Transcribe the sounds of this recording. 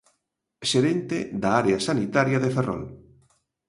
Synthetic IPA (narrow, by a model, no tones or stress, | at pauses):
ʃeɾent̪ed̪aaɾeasanit̪aɾjaðeferɔ̰l